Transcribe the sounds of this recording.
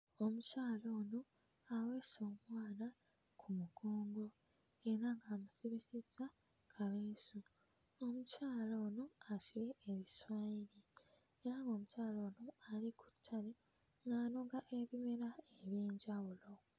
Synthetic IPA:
o̞mucaːlo̞ːno̞ | awe̞ːso̞ːmwaːna | kʰumuɡʰoːŋɡo̞ | e̞ɾaŋɡaːmusiβisiza | kʰaβeːsu | omucaːlo̞ːno̞asiɾe̞ːβiswaiɾi | eɾaŋɡo̞ːmucaːlo̞ːnoaliku̥tʰːale | ŋɡaːno̞ɡaʔe̞βime̞ɾaeβjeːɲɟawulo̞

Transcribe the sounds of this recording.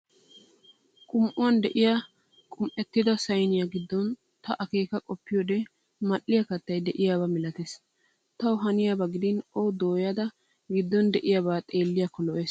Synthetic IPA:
kʼʊmʔʊwɐnd̪ɛʔɪja | kʼʊmʔɛt̪ːɪd̪ɐsɐjnɪjaɡɪd̪ːɔn | t̪ɐʔɐke̞ːkɐkʼɔpːɪjɔːd̪ɛ | mɐʔːɪjakɐt̪ːɐjd̪ɛʔɪjaːbɐmɪlɐt̪eːs | t̪ɐwɦɐnɪjaːbɐɡɪd̪ɪnɔwd̪oːjɐd̪ɐ | ɡɪd̪ːɔnd̪ɛʔɪjabaːt̪ʼe̞ːlːɪjakːɔlɔʔeːs

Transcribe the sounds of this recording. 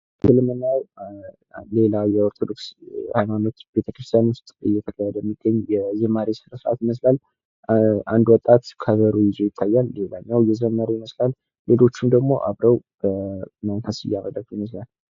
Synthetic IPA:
sɨlɨmɨnːaw | le̞lawjɛoɾt̪ʰod̪o̞kshajmano̞t̪b̥e̞t̪ʰəkɾɨst̪ʰjanust̪ʼɨ̰jːɛt̪ʰəkʰahɛd̪əjɛmːiɡːəɲːjɛzəmaɾisɨɾəsɨɾʔa̰t̪jɪməs̬lal | ʔand̪wɔt̪ʼːat̪kʰəβəɾujɪze̞jɪt̪ʰːajːalːe̞laɲːawjɛzəmaɾijɪməslalː | e̞lo̞t͡ʃːumd̪əɡmo̞ʔa̰βɾəwb̥əmankasɨ̰jːaməd̪ək̚iməslal

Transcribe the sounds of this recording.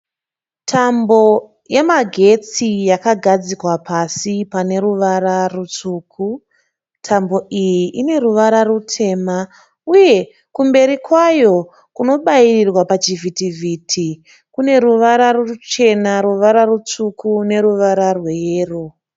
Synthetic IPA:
tʰambo̞ | je̞maɡʱe̞t͡sijakaɡʱad͡zikwapʰasipane̞ɾuʋaɾarut͡suːkʰu | tʰambo̞ʔijiʔine̞ɾuʋaɾarutʰe̞ːma | uje̞ | kumbe̞ɾikwajo̞ | kuno̞ɓairirwapat͡ʃivʱitivʱitʰi | kune̞ɾuʋaɾaruut͡ʃe̞naɾuʋaɾarut͡sukʰune̞ɾuʋaɾarweeːro

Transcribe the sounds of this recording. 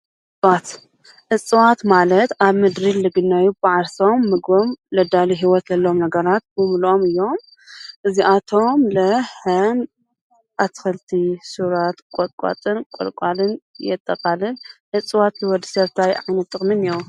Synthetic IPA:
ʔʔ | t͡sʼwat̪ | ʔɨt͡sʼɨwat̪malɐt̪aβmɨd̪ɾilɨɡɨnːajubɨʕaɾsomːɨɡomlɐd̪aliɦiwɔt̪lɐlːomnɐɡɐɾat̪̚bɨmlomɨjːo̞m | ʔɨziʔat̪ʰo̞mlɐhɐn | ʔat̪ʰxɐlt̪ʰisuɾat̪kʼokʼa̰t͡s̪ʼɨnkʷʼo̰lkʼalɨnjɛt̪ʼːɐkʼalɨnʔɨt͡sʼːwat̪hiwɔd̪ɨsɐβt̪ʰajʕajnɐt̪ʼːɨxʼmɨneɾu

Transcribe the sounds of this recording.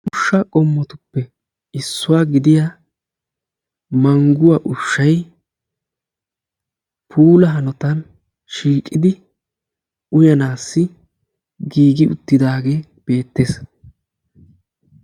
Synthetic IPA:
ʔʊʃːɐkʼɔmːɔt̪ʊpːɛ | ɪsːʊwaːɡɪd̪ɪja | mɐŋɡʊwaːʔʊʃːɐj | pʰuːlɐɦɐnɔt̪ɐn | ʃiːkʼːɪd̪ɪ | ʊjɐnaːsːɪ | ɡiːɡɪʊt̪ːɪd̪aːɡe̞ː | b̥e̞ːt̪ːeːs

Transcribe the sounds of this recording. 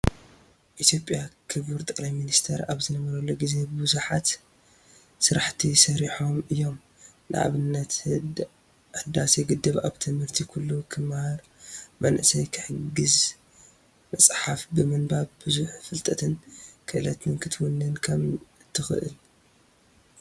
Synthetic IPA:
ʔit̪ʰjo̞pʼjakʰɨβuɾt̪ʼɐkʼlajminist̪ʰeɾaβzɨnɐβɐɾɐlːoɡize̞bɨbuzuħat̪ | sɨɾaħt̪ʰisɐɾiħo̞mɨjːo̞m | nɨʔa̰βɨnːɐt̪ | ɨd̪ːaseɡɨd̪ːɨβaβt̪ʰɨmhɨɾt̪ʰikʰulːukʰɨmhaɾ | mɐnʔɨsɐjkʰɨ̥ħɨɡɨz | mɐsʼħafbɨmɨnbaβbɨzuħfɨlt̪ʼɐt̪ʰɨnkʰɨʔɨlɐt̪ʰɨnkʰɨt̪ʰwunːɨnkʰɐmt̪ʰɨxɨ̰ʔɨ̰l

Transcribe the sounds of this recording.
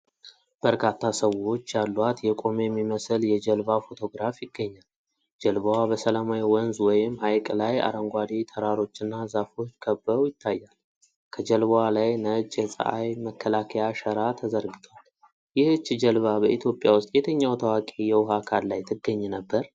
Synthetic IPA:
b̥əɾkʰat̪ʰːasəwo̞t͡ʃːjalːwat̪jɛkʼo̞mjɛmːiməsɨljɛd͡ʒəlbafo̞t̪ʰo̞ɡɾafjɪɡːəɲːal | d͡ʒəlβəwabəsəlamajwɔnzwɔjɪmːhajkʼlaja̰ɾəŋɡʷad̪it̪ʰəɾaɾo̞t͡ʃːɨnːazafo̞t͡ʃːkʰəbːəwjɪt̪ʰːajːal | kʰəd͡ʒəlβwalajnət͡ʃʼːɛsʼə̰ʔa̰jməkʰːəlakʰəjaʃəɾat̪ʰəzəɾɡɨt̪ʰwal | jɪhɨt͡ʃːd͡ʒəlβabəʔit̪ʰjo̞pʼːjawʊst̪ʼjɛt̪ʰəɲːawt̪ʰəwakʼejɛwʊɦakʰallajt̪ʰɨɡːəɲːɛnəbːəɾ

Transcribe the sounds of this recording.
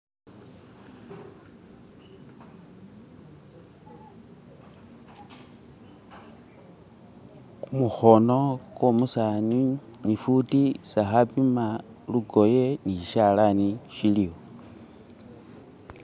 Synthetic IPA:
kumuxono̞komusaninifutisaxapima | luɡo̞jeniʃiʃalaniʃilio

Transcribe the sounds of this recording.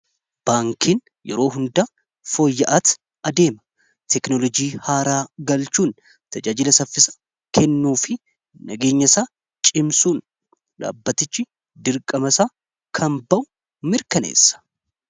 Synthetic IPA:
b̥aːŋkʰiːn | jɛ̰ɾo̞ːɦʊnd̪aː | foːjːɐʔɐt̪ | ɐd̪e̞ːmɐ̥ | t̪ɛknɔlɔd͡ʒiːhaːɾaːɡɐlt͡ʃuːn | t̪ɐd͡ʒaːd͡ʒɪlɐsɐfːɪsɐ̥ | kʰɛnːuːfɪ | nɐɡe̞ːɲːɐsaː | t͡ʃʼɪmsuːn | ᶑa̰ːbːɐt̪ɪt͡ʃːɪ | d̪ɪɾkʼɐmɐsaː | kʰɐmbɐʔʊ | mɪɾkɐnḛːsːɐ̥

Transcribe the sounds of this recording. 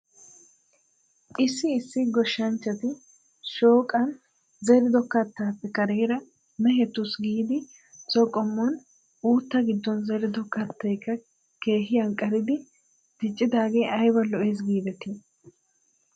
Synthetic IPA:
ʔɪsːɪːsːɪɡɔʃːɐnt͡ʃːɐt̪ɪ | ʃoːkʼɐn | zɛɾɪd̪ɔkɐt̪ːaːpːɛkɐɾeːɾɐ | mɛɦɛt̪ːʊsɡiːd̪ɪ | sɔkʼːɔmːɔn | uːt̪ːɐɡɪd̪ːɔnzɛɾɪd̪ɔkɐt̪ːɐjkːɐ | ke̞ːɦɪjɐŋkʼːɐɾɪd̪ɪ | t̪ɪt͡ʃʼːɪd̪aːɡeʔɐjbɐlɔʔeːs̬ɡiːbɛt̪i

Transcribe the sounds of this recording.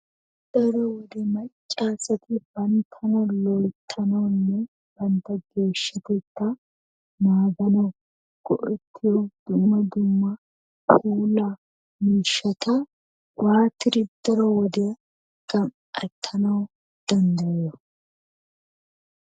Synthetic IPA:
d̪̥ɐɾɔwɔd̪ɛmɐt͡ʃʼːaːsɐt̪ɪbɐnt̪ʰɐmɐlɔjt̪ʰːɐnɐwnːɛ | b̥ɐnt̪ɐɡe̞ːʃːɐt̪ɛt̪ːɐ | maːɡɐnɐw | ɡ̥ɔ̰ʔɛt̪ʰːɪjɔd̪̥ʊmːɐd̪ʊmːɐ | huːla | miːʃːɐt̪ɐ | wʔaːt̪ɪɾɪd̪̥ɐɾɔwɔd̪ɛ | ɡ̥ɐm | ɐt̪ʰːɐnɐw | d̪̥ɐnd̪ɐjɔ

